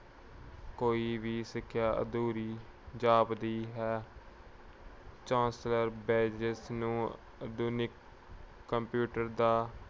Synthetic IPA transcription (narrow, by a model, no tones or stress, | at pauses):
koːiːʋiːsɪkʰːjaːʔə̰d̪uːɾiːd͡ʒaːbd̪iːɦɛː | t͡ʃãːnsləɾbeːd͡ʒɪsnũː | əd̪uːnɪkː | əmpjuːʈəɾd̪aː